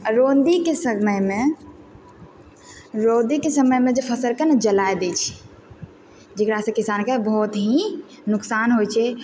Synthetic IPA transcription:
ɾoːnd̪ikesəməjmẽ | ɾoːd̪ikesəməjmẽd͡ʒepʰəsəɾkenəd͡ʒəlajd̪et͡ʃʰi̥ | d͡ʒekɾasẽkisaːnkebəɦɔt̪ɦi | nʊksaːnɦojt͡ʃʰɛ

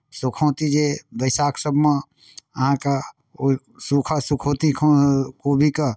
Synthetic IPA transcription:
sʊkʰõːt̪id͡ʒebəɪsaːksəbʱmã | ɦãka | sukʰasukʰoːt̪ikʰokobʱika

